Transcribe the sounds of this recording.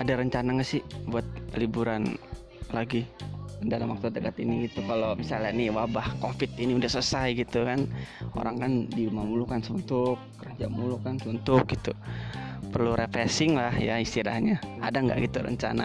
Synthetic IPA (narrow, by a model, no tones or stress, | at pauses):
adaɾəɲt͡ʃanaɲasɪhbuat̪̚libuɾan | laɡidalamwak̚sat̪əkat̪iniɡit̪ukalomisalaniwabahkofɪt̪iniudahsəsajɡit̪ukano̰ɾaŋkandiumamulukansəbənt̪ʊkːərəd͡ʒaʔmulukansəbənt̪ʊk̚ɡit̪u | pərluɾepɾesɪŋlahjaist̪ila̰hɲaadaŋɡa̰ʔɡit̪uɾə̰ɲt͡ʃa̰na̰